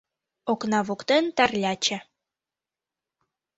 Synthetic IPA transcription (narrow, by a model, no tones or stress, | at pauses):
oknɑβukt̪ent̪ɑrlʲɑt͡ɕə̆